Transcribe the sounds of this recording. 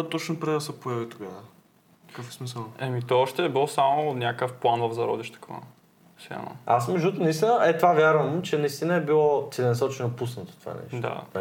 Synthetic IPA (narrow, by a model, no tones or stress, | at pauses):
t̪ɔt͡ʃnopɾɛd̪ɐsɛpoɛvit̪oɡavə | kkəfɛ̥smisəlˠɛmit̪ɔɔʃt̪ɛːbilˠɔsamonʲakəfplˠanvəvzɐɾɔ̰d̪iʃt̪ə̥kva̰ | sɛ̰no̰asmɛʒd̪ut̪onəist̪inəʔɛt̪ovavʲjaɾvəmt͡ʃɛnɐist̪inəɛbilˠɔt̪ɛlɛnɐsɔt͡ʃɛnopusnɐt̪o̥t̪ova̰nɛ̰ʃd̪a̰